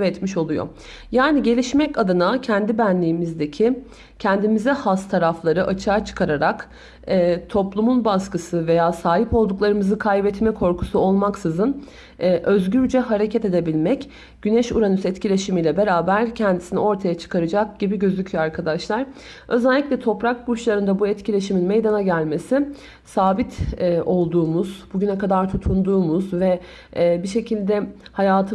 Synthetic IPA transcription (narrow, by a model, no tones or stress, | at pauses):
ɛt̪miʃo̞lˠujo̰ | jaːniɟe̞lʲiʃmɛcad̪anacʰɛnd̪ibænlʲiːmizd̪ecʰi | cʰɛnd̪imizɛhast̪ʰaɾaflˠaɾɯʔat͡ʃʰaːt͡ʃʰɯ̥kʰaɾaɾak | ɛːt̪ʰo̞plˠumunbaskɯsɯve̞jaːsaːɦipo̞lˠd̪uklˠaɾɯmɯzɯkʰajbɛt̪mɛkʰo̞ɾkʰu̥suo̞lˠmaksɯzɯn | ɛːʔø̞zɟyɾd͡ʒɛɦaɾe̞cʰɛt̪e̞d̪e̞bilʲmɛc | ɟ̥ynɛʃuɾanysɛt̪cʰilʲe̞ʃimiːlʲɛbe̞ɾaːbæɾcʰɛnd̪isinio̞ɾt̪ʰajat͡ʃʰɯ̥kʰaɾɯd͡ʒak̚ɟibiɟø̞zycʰyjoaɾkʰad̪aʃlˠaɾ | ø̞zɛlʲːicʲlʲɛt̪ʰo̞pɾak̚buʃlˠaɾɯnd̪abuɛt̪cilʲe̞ʃiminmejd̪anaɟælʲme̞sɪ | saːbit̪ʰːʔo̞lˠd̪uːmuz̥buɟynɛkad̪aɾt̪ʰut̪ʰund̪uːmuzvɛ | biʃe̞cʰilʲd̪ɛhajaːt̪ʰɯ